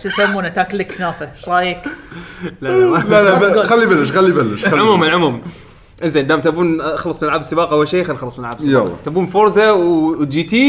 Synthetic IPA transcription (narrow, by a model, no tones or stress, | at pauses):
ʃɪsamːuːnat̪aːklːɪkːnaːfaʃlˤɑːleːk | laalalaxalːibalːɪʃxalːibalːɪʃaʕʊmuːmɪnʕʊmuːm | ʔɪnzeːnd̪aːmt̪abuːnʔxlɑsˤmɪnɪlʕabsɨbɑːqʔawːalʃeːjxalːxɑlːɑsˤmɪnɪlʕabsja̰t̪abuːnfʊɾzawd̪iːt̪iː